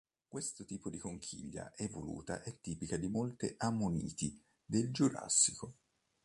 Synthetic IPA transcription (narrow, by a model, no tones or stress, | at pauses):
kwest̪ot̪iːpod̪ikoŋkʰḭʎːa̰ʔɛvolṵːt̪a̰ʔɛt̪ːiːpikad̪imolt̪eʔamːonḭːt̪i | d̪eld͡ʒuɾa̰sːiko